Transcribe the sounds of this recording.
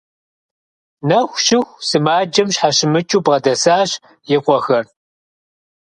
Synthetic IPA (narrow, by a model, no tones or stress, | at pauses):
nɐxʷʃɪxʷsɨmaːd͡ʒɐmɕħaɕɪmɨt͡ʃʼuːbʁɐdɐsaːɕ | jɪqʷɔxɐr